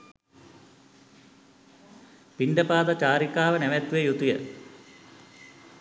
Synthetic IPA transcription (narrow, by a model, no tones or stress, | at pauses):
piɳɖəpaːd̪at͡ɕaːɾikaːʋənæʋæt̪ʋejut̪ujə